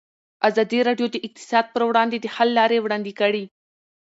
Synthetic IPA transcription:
azɑd̪iɾɑɖjod̪əʔɪq̚t̪ɪ̥sɑd̪̚pəɾwɽɑnd̪ed̪əhalːɑɾewɽɑnd̪ikəɽi

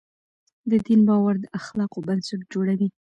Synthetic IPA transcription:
d̪əd̪inbɑwaɾd̪əʔaxlɑqobansaʈ̚d͡ʒoɽawi

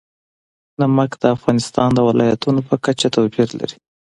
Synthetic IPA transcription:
naməkd̪̥əafɣɑnɪst̪ɑnd̪əwɪlɑjat̪unopəkat͡ʃat̪awpiɾla̰ɾi

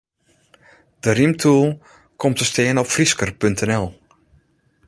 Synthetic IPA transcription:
d̥ərimtʰuəlˠ | kʰɔmtəstɪːənɔpfriskərpøntʰɛnɛlˠ

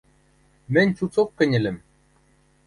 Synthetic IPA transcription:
mɘ̆nʲt͡ɕut͡soqkːɘ̆nʲɘ̆lɘ̆m

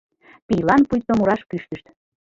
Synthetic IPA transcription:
pijlɑnpujt̪ːomuɾɑʃkyʃt̪əʃt̪

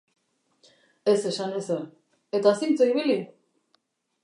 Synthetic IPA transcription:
e̞se̞sanese | et̪asint͡soiβili

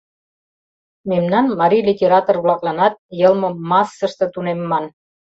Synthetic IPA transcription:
memnɑnmɑɾʲilʲitʲeɾɑt̪orβlɑklɑnɑt̪̚jɤlmŏmɑsːə̆ʃt̪ɤ̆t̪unemːɑn

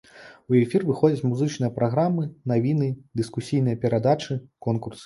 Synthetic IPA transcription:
uɛfʲirvɨxɔd͡zʲɐt͡sʲmuzɨt͡ʂnɨjɐpɾaɣɾamːɨnavʲinɨd̪ɨskusʲijn̪ɨjɐpʲɛɾad̪at͡ʂɨkɔnkursɨ̥

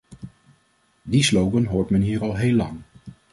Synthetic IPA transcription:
dislowɡənɦoːɹtmɛnɦiːɹɑlˠɦejlːɑŋ

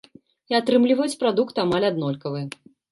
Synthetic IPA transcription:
iat̪ɾɨmlʲivɐjut͡sʲpɾad̪ukt̪amalʲad̪nɔlʲkɐvɨɛ

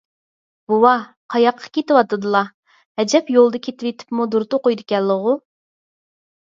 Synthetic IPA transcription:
b̥uwɑ | qʰɑjɑqʰːɑ̥kʲet̪ɪwɑt̪ɨd̪ɨlˠɑ | hɛd͡ʒɛpjolˠd̪ɑkʲʰet̪ɪwet̪ʰɪ̥pmud̪uɾt̪ʊqojd̪ɪkʲɛlːəʁʊ

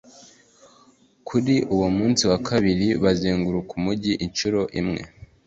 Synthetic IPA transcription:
kʰuɾiʔuwomuːnsiwakʰaβiɾiβaziːŋɡuɾukumuɟiʔint͡ʃuɾo̞ʔimŋḛ

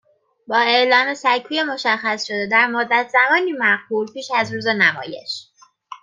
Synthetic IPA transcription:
bɒːe̞ʔlɒːme̞sækʰːuːje̞mo̞ʃæxːæsʃo̞d̪ed̪æɾmod̪ːæt̪ʰz̥æmɒːniːmæɢbuːlpʰiːʃæzɾuːzenæmɒ̰ːje̞̰ʃ

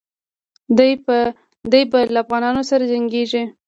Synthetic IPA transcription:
d̪ | d̪əjbalaːfɣɑnɑnosaɾad͡ʒaŋɡeʒi

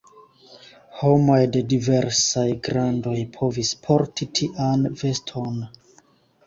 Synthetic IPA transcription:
ho̞mojde̞dive̞ɾsajɡɾando̞jpʰo̞vispʰo̞ɾtitʰiʔanve̞stʰo̞n

